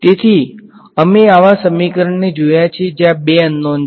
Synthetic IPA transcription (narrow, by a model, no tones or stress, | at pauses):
t̪et̪ʰi | əmeaʋasəmikɾəɳned͡ʒojat͡ʃʰed͡ʒjãbeənːon